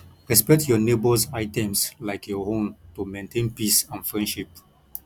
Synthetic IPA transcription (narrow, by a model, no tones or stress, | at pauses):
ɹɛspɛk̚tjɔnebɔzaɪtɛ̃mslaɪkʰjɔhõmtumẽntʰẽnpisãnfɹɛ̃ndʃip̚